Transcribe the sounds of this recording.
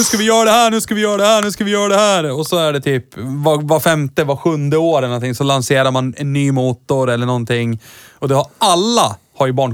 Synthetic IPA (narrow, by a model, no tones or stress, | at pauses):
ʉʂkavɪjœːɾad̪ɛhæːɳʉ̟ːskavɪjœːɾaɖ̪ɛhæːɳʉ̟ːskavɪjœːɾad̪ɛhæːɾɔsɔæɖɛt̪ʰyːpvavafɛmt̪əvaɧɵnd̪əoːɾɛlnɔnɪŋsɔlanseːɾamanɛ̰nːyːmuːt̪ʊɾɛlːəɳɔnt̪ɪŋːɔd̪ɛhaɾʔalːa | haɾjɵbɑːɳ